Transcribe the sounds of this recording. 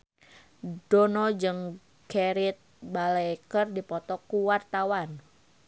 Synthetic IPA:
d̥onɔd͡ʒɨŋ | keɾɪt̪̚balɛkərdipɔt̪ɔkuwart̪awan

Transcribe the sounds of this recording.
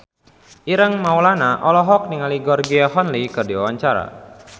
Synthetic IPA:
ʔiɾəŋmawlanaʔɔlɔɦɔk̚niŋaliɡɔrɡiaɦɔnlikərdiwawaɲt͡ʃaɾa̰

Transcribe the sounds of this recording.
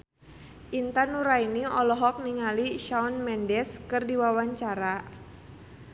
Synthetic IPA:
ʔint̪anuɾainiɔlɔɦɔk̚niŋaliʃaɔnmɛndɛskɨrdiwawaɲt͡ʃaɾa

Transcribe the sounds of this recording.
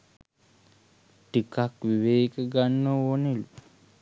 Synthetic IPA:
ʈikakʋiʋeːkəɡanːəonelu

